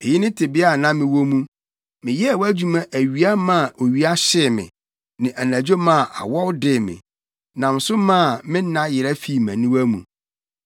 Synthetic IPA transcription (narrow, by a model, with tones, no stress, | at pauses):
e˨jɪ˦nɪ̃˦tʰɪ˨bɪ˦a˨nã˦mɪ̃˨wo˦mũ˦ | mɪ̃˨jɛ˦˨wæ˦d͡ʑu˦mã˦ʔæ˨ɥi˨˦a˦mã˦˨ʔo˨ɥi˦a˦ɕɪ˦˨mɪ̰̃˨ | nɪ̃˨ʔæ˨næ̃˨d͡ʑo˦mã˦˨ʔa̰˨wɔ˦wdɪ˦˨mɪ̰̃˨ | nã˨m˨sʊ˦mã˦˨mɪ̃˦nã˦jɪ˨ɾæ˦fi˦˨mæ̃˨nĩ˦wæ˦mṵ̃˨